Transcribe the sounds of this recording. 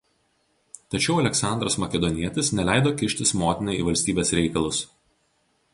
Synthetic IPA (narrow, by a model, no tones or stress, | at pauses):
t̪ɐt͡ʃʲɛʊɐlʲɛksɑˑnd̪ɾɐsmɐkʲɛd̪ɔnʲiɛt̪ʲɪsnʲɛlʲæˑɪd̪oːkʲɪʃʲt̪ʲɪsmoːt̪ʲɪnɐɪḭːʋɐlʲsʲt̪ʲiːbʲeːsɾʲɛɪkɐlˠʊs